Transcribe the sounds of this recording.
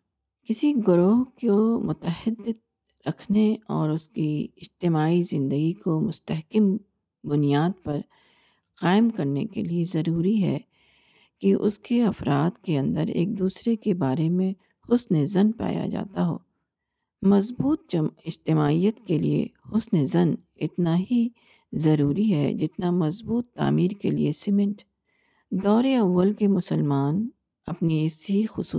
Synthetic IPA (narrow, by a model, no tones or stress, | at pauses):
kɪsiɡʊɾoːɦkomʊt̪əhɪd̪ːɪd̪̚ | ɾɐkʰneɔːɾʊskiɪd͡ʒt̪ɪmaːizɪ̃nd̪əɡikomʊst̪əɦkɪm | bʊnijaːd̪̚pɐɾ | qaːɪmkɐɾnḛkḛliezɐɾuːɾiɦɛ̰ː | kiʔʊ̰skeɐfɾaːd̪keɐ̃nd̪əɾḛːk̚d̪uːsɾekebaːɾemẽ | xʊsnzɐnpa̰ːja̰d͡ʒa̰ːt̪aɦo̰ː | mɐzbuːt̪ɪd͡ʒt̪ɪmaːijət̪kelḭḛxʊsnezɐn | ɪt̪naɦi | zɐɾuːɾiɦɛ̰d͡ʒɪt̪namɐzbuːt̪ːa̰ːmiːɾkelḭesɪmɪ̃ɳʈ | d̪ɔːɾeɐʋːəlkemʊsəlmaːn | ɐpniɪsɦixʊsṵː